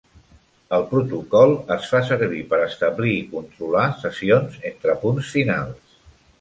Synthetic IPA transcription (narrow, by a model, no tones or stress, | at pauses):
əlˠpɾut̪ukɔlˠəsfasəɾβipəɾəst̪əβliːkunt̪ɾulasəsionzent̪ɾəpunsfina̰lˠs